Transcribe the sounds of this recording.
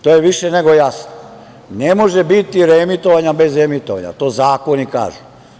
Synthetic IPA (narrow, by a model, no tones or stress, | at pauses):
t̪ojeʋiʃeneɡo̞jasno | nemo̞ʒebit̪iɾemit̪o̞ʋaɲabe̞zɾemit̪oʋa̰ɲa̰t̪o̞ːzaːkonika̰ːʒu̥